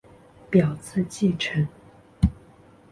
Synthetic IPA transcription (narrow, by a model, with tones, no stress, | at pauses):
pjɑ˨˩ʊt͡s̩ʰ˥˧t͡ɕi˥˩ʈ͡ʂʰə˧˥n